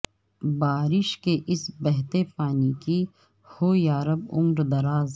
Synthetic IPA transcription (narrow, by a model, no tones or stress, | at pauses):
baːɾɪʃkeʔɪsbɛɦt̪epaːniki | hoːjaːɾəbʊ̰mɾd̪ɐɾaːz